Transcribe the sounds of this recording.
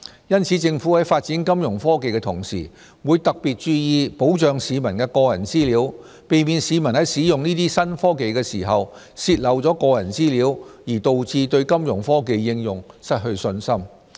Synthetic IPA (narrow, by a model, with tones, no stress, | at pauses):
jɐ˥nt͡sʰiː˨˥t͡sɪ˧ŋfu˨˥hɐ˨˥jfaː˧t̚t͡siː˨˥nkɐ˥mjʊ˨˩ŋfɔː˥ke˨˧jkɛ˧t̪ʰʊ˨˩ŋsḭː˨˩ | wuː˨˧jt̪ɐ˨k̚piː˨t̚t͡ʃyː˧jiː˨˧po˨˥wt͡ʃœː˨˧ŋsiː˨˧mɐ˨˩nkɛː˧kɔː˧jɐ˨˩nt͡siː˥liː˨˥w | pe˨jmiː˨˧nsiː˨˧mɐ˨˩nhɐ˨˥jsiː˨˥jʊ˨ŋniː˥t̪iː˥sɐ˥nfɔː˥ke˨jkɛː˧siː˨˩ɦɐ˨w | siː˧t̚lɐ˨˩wt͡sɔː˨˥kɔː˧jɐ˨˩nt͡siː˥liː˨˥wjiː˨˩t̪o˨wt͡siː˧t̪ɵ˧ɥkɐ˥mjʊ˨˩ŋfɔː˥ke˨jːɪ˧ŋjʊ˨ŋsɐ˥t̚hɵ˧ɥsɵ˧nsɐ˥m